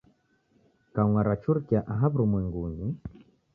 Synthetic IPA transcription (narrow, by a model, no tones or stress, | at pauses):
kaŋwaɾat͡ʃuɾkjaʔaɦaβɾumwɛŋɡuɲi